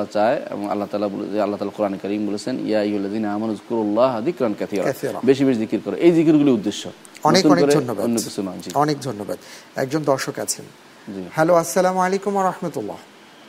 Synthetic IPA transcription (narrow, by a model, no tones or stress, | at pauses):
at͡ɕaeḛboŋa̰lːat̪alabol̰alːat̪aːlaɾkuɾaːnekɐɾiːmbolet͡ɕʰenjaijɦualːaziːnaaːmɐnuzkuɾulːɑːɦðikɾankaθiːɾaθiɾɑ̰beʃ̬ibeʃzikiɾkɔɾeʔejzikiɾɡuliud̪ːeʃːo | ɔnekt̪ɔnekoɾedʱonːobaonːokisunad͡ʑiɔnek̚d̪ʱonːoba̰d̪ɛ̰k̚d͡ʑond̪ɔɾʃokat͡ɕʰḛn | d͡ʑihɛloɐsːalamalekumwɐɾˤɑħmat̪ulːɑ̰